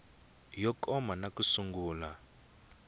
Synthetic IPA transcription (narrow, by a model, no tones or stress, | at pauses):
jɔkɔmanakusuŋɡuːla